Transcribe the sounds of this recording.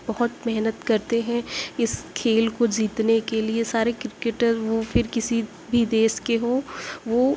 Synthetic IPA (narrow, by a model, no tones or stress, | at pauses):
bɐɦʊt̪mɛɦnət̪kɐɾt̪eɦɛ̃ɪskʰeːlkod͡ʒiːt̪nekeliesaːɾekɾɪkeːʈəzʋofɪɾkɪsi | bʱid̪eːʃkeɦoːʋo